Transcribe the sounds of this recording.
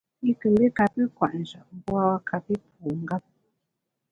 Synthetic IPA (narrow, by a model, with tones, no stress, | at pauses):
i˦kɨ˧˨mbi˦ka˧tɨ˦kʷã˨ʔʒa˨bwa˧wa˧ka˧pi˦p̚ʰu˨ŋɡa˦p̚